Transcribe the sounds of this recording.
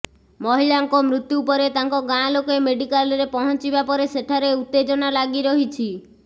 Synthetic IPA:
mɔɦilaŋkɔmɾut̪juːpɔɾet̪aŋkɔɡãlokemeɖikalɾepɔɦɔnt͡ʃibapɔɾeseʈʰaɾeut̪ːed͡ʒɔnalaɡiɾɔɦit͡ʃʰi

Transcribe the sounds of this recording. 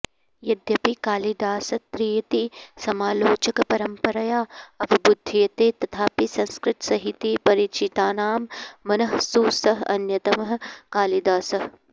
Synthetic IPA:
jɐd̪jɐpikaːlid̪aːsɐt̪ɾiːjɐt̪isɐmaːloːt͡ʃɐkɐpɐɾɐmpɐɾɐjaːɐbʱibud̪ʱːijɐt̪eːt̪ɐt̪ʰaːpisɐ̃nskɾɪt̪sɐɦit̪ipɐɾit͡ʃit̪aːnaːmːɐnɐɦsuːsɐɦɐ̰njɐt̪ɐmɐɦkaːlid̪aːsɐɦ

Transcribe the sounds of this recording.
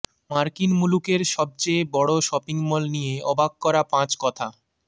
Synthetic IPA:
maɾkinmulukeɾʃɔb̚t͡ɕebɔɽoʃɔpiŋmɔlnijeɔbʱaɡ̚kɔɾapãt͡ɕkɔt̪ʰa

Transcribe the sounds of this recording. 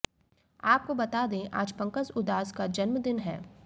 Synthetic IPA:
aːp̚kobɐt̪aːd̪ẽʔa̰ːd͡ʒpɐ̃ŋkəsʊd̪aːskad͡ʒɐnməd̪ɪnɦɛː

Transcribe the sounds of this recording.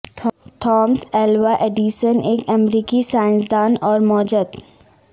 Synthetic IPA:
t̪ʰɔːmsɛːlʋaʔeːɖiːʃəneːkɐmɾiːkisaːɪ̃nsd̪aːnɔːɾmɔːd͡ʒəd̪

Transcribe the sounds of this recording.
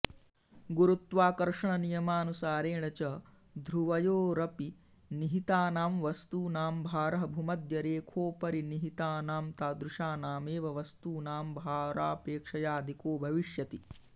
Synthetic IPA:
ɡuɾut̪ʋaːkɐɾʂɐɳɐnijɐmaːnusaːɾeːɳɐt͡ʃɐ | d̪ʱɾuʋɐjoːɾɐpi | niɦit̪aːnaːmʋɐst̪uːnaːmbʱaːɾɐɦɐbʱumɐd̪jɐɾeːkʰoːpɐɾiniɦit̪aːnaːmt̪aːd̪ɾuʂaːnaːmeːʋɐʋɐst̪uːnaːmbʱaːɾaːpeːkʂɐjaːd̪ʱikoːbʱɐʋiʂjɐt̪i

